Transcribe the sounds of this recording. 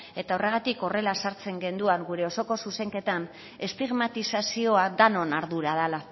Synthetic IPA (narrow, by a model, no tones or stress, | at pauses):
e̞t̪aore̞ɣ̞at̪iko̞re̞lasaɾt͡se̞ŋɡe̞nd̪uaŋɡuɾe̞o̞so̞ko̞suse̞ŋke̞t̪an | e̞st̪iɣmat̪isasio̞ad̪ano̞naɾðuɾaðala